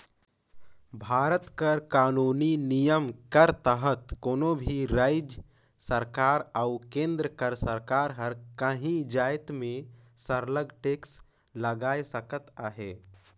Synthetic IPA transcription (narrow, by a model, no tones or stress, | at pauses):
bʱaːɾət̪kəɾkaːnuːninijəmkəɾt̪əɦət̪koːnõbʱiɾaːɪd͡ʒ | səɾkaːɾaʊkẽːnd̪ɾəkəɾsəɾkaːɾɦəɾkəɦĩd͡ʒaːɪt̪mẽ | səɾləɡʈeːks | ləɡaːesəkət̪aɦeː